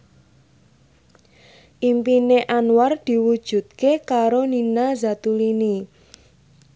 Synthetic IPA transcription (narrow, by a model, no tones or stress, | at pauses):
ʔimpineʔanward̪̥i̤wud̥ʒ̥ṳt̪̚kekaɾoninazat̪ulini